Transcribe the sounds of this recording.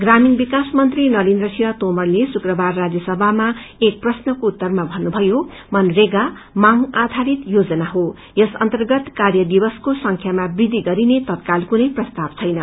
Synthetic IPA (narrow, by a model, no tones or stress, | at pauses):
ɡraminbikasmʌnt̪rinʌlind̪rʌsʰiwat̪omʌrlesukrʌbarːad͡zjʌsʌbʱamaek̚prʌsnʌkout̪ːʌrmabʱʌnːubʱʌjomʌnreɡa | maŋad̪ʱaɾit̪jod͡zʌnaɦo | jʌsʌ̰nt̪ʌrɡʌt̪karjʌd̪ibʌskosʌŋkʰjamabrid̪ʱːiɡʌɾinet̪ʌt̪kalkunʌjprʌst̪abt͡sʰʌjnʌ